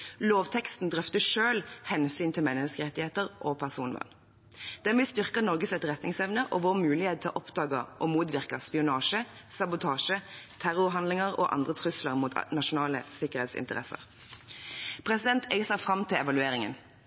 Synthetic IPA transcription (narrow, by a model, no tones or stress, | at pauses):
loːʋt̪ʰɛkst̪n̩d̪ʁœft̪əʃøːlhɛnsyːnt̪ʰɪlmɛnːəskəʁɛt̪ːɪheːt̪əʁʔɔpʰæʁsuːnʋɑ̰n | d̪̥ɛnʋɪlst̪ʏʁkɑnɔʁɡəsɛt̪ʁɛt̪nɪŋsɛʋnəʔɔʋʊʁmʉːlɪheːt̪̚t̪ʰːɪlʔɔpd̪ɑːɡɑʔɔmuːt̪ʋɪʁkɑspɪʊnɑːʃəsɑbʊt̪ʰɑːʃət̪ʰæʁʊʁɦɑnd̪lɪŋəʁo̰ːʔɑ̰nd̪ʁət̪ʰʁʉsləʁmuːt̪nɑʃʊnɑːlə̰sɪkəʁheːt̪sɪ̰nt̪əʁɛ̰sə̰ʁ | pʰʁɛsɪd̪ɛnt̪ʰɛɪsɑfʁɑmt̪ʰɪlɛʋɑlʉeːɾɪŋə̰n